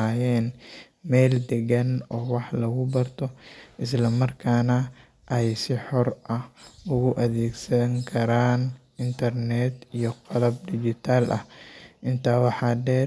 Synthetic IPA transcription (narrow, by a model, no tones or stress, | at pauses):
aːjɛːn | mɛːld̪ɛɣɐnɔːwɑħlɐɣʊbɐrt̪ʰɔʔɪs̬lɐmɐrkʰaːnɐ | ʔɛjsɪħɔrʔɐhʊɣʊʔɐðɛːɡsɐŋkʰɐɾaːn | ɪnt̪ʰɐrnɛd̪ijɔqɑlɐb̚d̪ɪd͡ʒɪt̪ʰaːlʔɐ̰hʔɪnt̪ʰaːwɑħɑːɖɛː